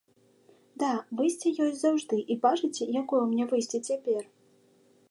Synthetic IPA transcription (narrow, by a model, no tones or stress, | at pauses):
d̪avɨjsʲt͡sʲɛjɔjʲzawʐd̪ɨʔibaʐɨt͡sʲɛjakɔjɛmnʲɛvɨjsʲt͡sʲɛt͡sʲapʲɛr